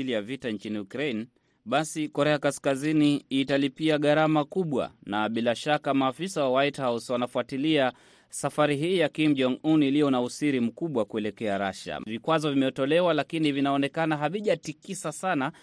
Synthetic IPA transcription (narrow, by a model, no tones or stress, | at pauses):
lijavitant͡ʃiniukɾain | ɓasikɔɾɛakaskaziniitalipiaɠaɾamakuɓwa̰naɓilaʃakamaːfisawawaithawswanafuatilia | safaɾiɦiːjakimd͡ʒɔŋunilijɔnausiɾim̩kuɓwakuɛlɛkɛaɾaʃa̰vikwazɔvimɛtɔlɛwalakinivinaɔnɛkanaɦaviʄatikisasana